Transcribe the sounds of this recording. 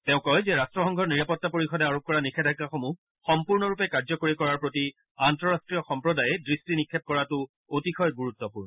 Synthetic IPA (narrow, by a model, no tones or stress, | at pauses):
teʊ̃kɔjzɛɹastɹɔxɔŋɡʱɔɹniɹapɔtːapoɹixɔdɛaɹop̚kɔɹanikʰɛdʱakaxomu | xɔmpuɹnɔɹupɛkaɹzɔkoɹikɔɹaɹpɹoti | antɹɔɹastɹijɔxɔmpɹɔdajɛdɹistinikʰːɛp̚kɔɹatʊ | otixʰɔjɡuɹutːɔpuɹnɔ